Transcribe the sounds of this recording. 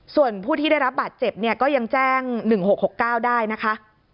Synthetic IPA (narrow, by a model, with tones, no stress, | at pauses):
su˨˩ənpʰuː˥˩t̪ʰiː˥˩da˥˩jɾa˦˥p̚baː˨˩t̪̚t͡ɕe˨˩p̚ni˥˩ɐkɔː˥˩ja˧ŋt͡ɕɛː˥˩ŋnɯ˨˩ŋho˨˩k̚ho˨˩kːaː˥˩wdaː˥˩jna˦˥kʰa˦˥ʔ